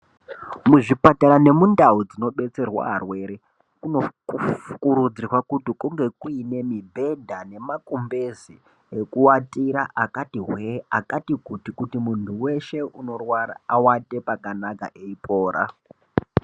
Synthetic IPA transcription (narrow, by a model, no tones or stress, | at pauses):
muʐipataɾane̞mundaud͡zino̞ɓe̞t͡se̞rwa̰ɦarwe̞ɾe | kunofu̥kuɾud͡zirwakutikuŋɡe̞kuine̞mibʱe̞dʱane̞makumbezi | ekuwatiɾaʔakatiɦweakatikutikutimuntʰuwe̞ʃe̞uno̞rwara̰awate̞pakanaka̰ʔe̞ipʰoːɾa̰